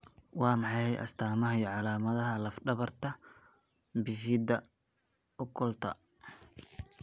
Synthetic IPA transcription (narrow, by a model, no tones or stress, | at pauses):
wɑːmɑħɑjhjʔɐ̰st̪ʰaːmɐɦɐʕɑlaːmɐðɐɦɐlɐfɖɐβɐrt̪ʰɐ | bɪfɪd̪ɐ | ʊkʰɔlt̪ʰɐ̰